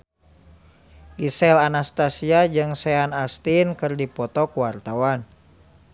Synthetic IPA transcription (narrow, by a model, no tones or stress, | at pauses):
ɡisɛlanast̪asiad͡ʒɨŋsɛanast̪inkɨrdipɔt̪ɔkuwart̪awan